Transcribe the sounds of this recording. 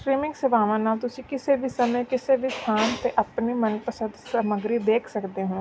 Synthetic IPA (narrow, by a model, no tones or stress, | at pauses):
sɾiːmɪ̃ŋksɪʋaːʋãːnaːlt̪ʊsĩːkɪseːbʱiːsəməjkɪsebʱist̪ʰaːnt̪eʔəpnimənpəsə̃nd̪səməɡɾid̪eːkʰsəkd̪eɦõː